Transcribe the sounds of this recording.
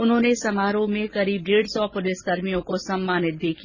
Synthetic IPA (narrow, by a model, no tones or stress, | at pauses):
ʊnɦõːnesɐmaːɾõmẽkɐɾiːb̚ɖeːɽsɔpʊlɪskɐɾmijõkosɐmːaːnɪt̪̚d̪eːkʰi